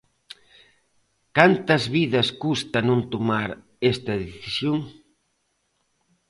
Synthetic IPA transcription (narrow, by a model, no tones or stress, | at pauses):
kant̪ɐzβiðɐskust̪ɐnõnt̪omaɾ | est̪ɐðeθisjoŋ